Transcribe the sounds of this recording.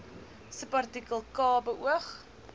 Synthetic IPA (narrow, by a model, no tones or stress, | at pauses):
səpɐrtikəlˠkɑːbəʔuəχ